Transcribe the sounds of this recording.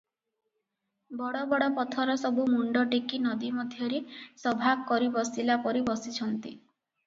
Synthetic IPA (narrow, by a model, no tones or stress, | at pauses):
bɔɽɔbɔɽɔpɔt̪ʰɔɾɔsɔbumuɳɖɔʈikinɔd̪imɔd̪ʱjɔɾesɔbʱakːɔɾibɔsilapɔɾibɔsit͡ʃʰɔnt̪ḭ